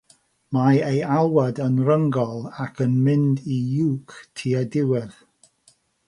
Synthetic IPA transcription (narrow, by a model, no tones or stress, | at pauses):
majejalˠwadənrəŋɡɔlˠakʰənmɪndijuːktʰiːədɪwɪð